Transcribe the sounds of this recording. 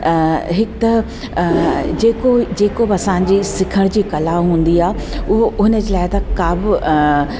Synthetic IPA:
ɦɪkt̪ɐ | d͡ʑeːkod͡ʑeːkobɐsãːɲ̆d͡ʑisɪkʰəɽ̃d͡ʑiːkɐlaɦũːn̆d̪iaːɦɪʊɦoʔʊɦɪnə̆d͡ʑeːlaːɪt̪ɐkaːbɪ

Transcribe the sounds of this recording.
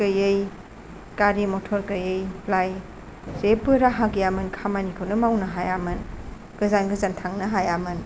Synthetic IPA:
ɯjɯj | kaɾimɔtʰɔɾkɯjɯjlaj | zepɯɾaɦaɡijamɯnkʰamanikʰɯwnɯmawnɐɦajamɯn | ɡ̥ɯzanɡɯzantʰaŋnɐɦajamɯn

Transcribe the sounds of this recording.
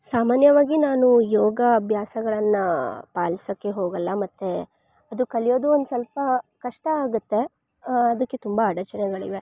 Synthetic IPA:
saːmaːnjɐʋaːɡinaːnujɔːɡɐːbʱjaːsɐɡɐɭɐnːɐpaːlisɐkːeɦoːɡɐlːɐmɐt̪ːe | ɐd̪ukɐɭijo̞ːd̪uond̪usɐlpɐkɐʂʈɐaːɡut̪ːe̞ | ɐd̪ɐkːet̪umbɐːɽɐt͡ʃɐnɛɡɐɭiʋe

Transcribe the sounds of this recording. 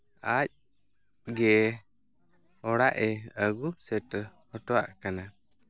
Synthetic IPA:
ac̚ | ɡɛ | ɔɽaʔɛəɡusɛʈhɔtɔa̰ʔkana

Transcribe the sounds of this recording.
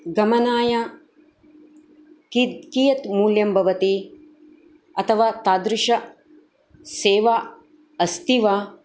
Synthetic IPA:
ɡɐmɐnaːja | kikijɐt̪muːljɐmbʱɐʋɐt̪i | ɐt̪ʰɐʋaːt̪aːd̪ɾuʃɐ | seːʋa | ɐst̪iʋaː

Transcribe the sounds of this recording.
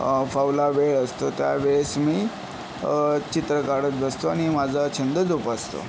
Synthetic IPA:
fawlaʋeɭəst̪ot̪ja̰ʋeɭesmiː | t͡ɕit̪ɾəkaɽət̪̚bəst̪oaɽ̃imad͡zʱət͡ɕʰənd̪əd͡z̪upast̪o̰

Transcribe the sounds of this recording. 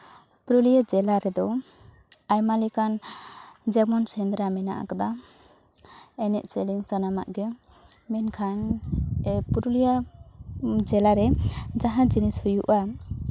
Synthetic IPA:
puɾulijad͡ʒɛlaɾɛd̪ɔ | ajmalikan | d͡ʒɛmɔnsɛnd̪ɾamɛna̰ʔa̰kad̪a | ɛnɛʔsɛliŋt͡ʃanama̰ʔɡɛ | mɛnkʰan | puɾulija | d͡ʒɛlaɾɛd͡ʒaɦãd͡ʒinishujuʔa

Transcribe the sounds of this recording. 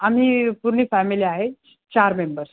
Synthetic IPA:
am̤iːpuɾɳiːfæmiliːaɦe | t͡ɕaɾmembəɾs

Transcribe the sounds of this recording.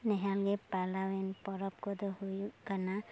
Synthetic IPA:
nɛɦalɡɛpalawɛnpɔɾɔp̚kɔd̪ɔhujkana

